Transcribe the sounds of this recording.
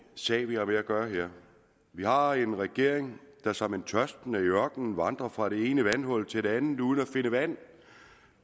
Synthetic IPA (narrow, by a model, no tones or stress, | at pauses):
sɛ̰ːʋihɑ̈ʋe̝æɡ̥ɶːɐɦeɐ̰ | ʋihɑ̈e̝nʁɛɡ̥e̝ɐ̰eŋd̥ɑ̈sɒ̽ment͡sʰɶsd̥nəiœɐɡ̥nn̩ʋɑ̈nd̥ʁɐfʁɑ̈ɾe̝e̝ːnəʋænɦɒ̽l̰t͡sʰe̝d̥e̝ænð̩ˠuːðˠn̩æfe̝nəʋæn̰